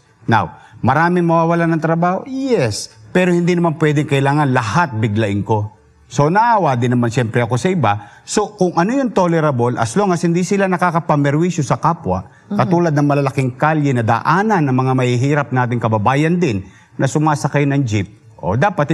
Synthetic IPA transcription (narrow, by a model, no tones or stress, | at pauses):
na̰w | mɐɾaːmɪŋmɐwaːwɐlanɐŋt̪ɾɐbaːho̞jɛspɛːɾohɪnd̪inɐmanpwɛd̪ɪŋkɐʔɪlaːŋɐnlɐhat̪̚bɪɡlɐʔɪŋko̞ | so̞nɐʔaːwad̪ɪnɐmanʃjɛmpɾɛɐko̞sɐʔɪbaso̞kʊŋʔɐnojont̪olɛɾɐbolʔɐ̰sloŋɐshɪnd̪isɪlanɐkaːkɐpɐmɛɾwiʃjosɐkaːpwɐ̰ | kɐuːlɐd̪nɐŋmɐlɐlɐkɪŋkaljɛnɐd̪a̰ːʔaːnɐnːɐŋmɐŋamɐhiɦiːɾɐp̚naːt̪̬ɪŋkɐbɐbaːjɐnd̪ɪnː | ɐsʊmaːsɐkajnɐŋd͡ʒɪp̚ | ʔo̞̰d̪aːpɐt̪̚